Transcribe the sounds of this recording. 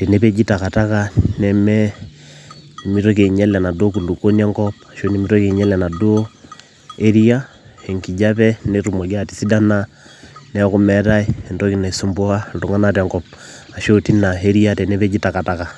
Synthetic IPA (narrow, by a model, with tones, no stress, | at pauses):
te˨ne˦pe˦d͡ʒi˦ta˨ka˨ta˦ka˦nɛ˨mɛ˦˨ | mi˦ɾo˦k̬e˨ɲɛ˦lɛ˨na˨do˦ku˨lu˨ko˦ni˦a˦ŋɡɔ˦p̚a˨ʃo˦ni˦mi˦ɾo˦ke˨ɲɛ˦lɛ˨na˨do˦ | e˦ɾi˦a˦e˨ŋki˨d͡ʒa˦pɛ˦ne˦ɾu˨mo˨ɡi˦a˦˨ti˨si˦da˦na˦ | nɛ˦ku˦mɛ˨˦ɾa˦i˦˨ndo˦ki˨na˨so˦mbo˦ka˦nro˨ŋa˦na˦tɛ˨ŋɡɔ˨p̚a˨ʃo˦ti˦na˨ɦe˦ɾi˦a˦te˨ne˦pe˦d͡ʒi˦ta˨ka˨ta˦ka˨